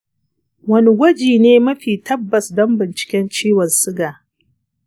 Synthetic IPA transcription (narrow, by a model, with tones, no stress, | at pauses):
wɐ˦ni˦ɡʷɐ˦d͡ʒiː˨neː˦mɐ˦ɸiː˨tɐ˦bːɐ˨sdɔ˦mbɪ˨nt͡ʃɪ̥˨kʲɛ˦nt͡ʃiː˦wɔ˨nsɪ˦ɡaː˨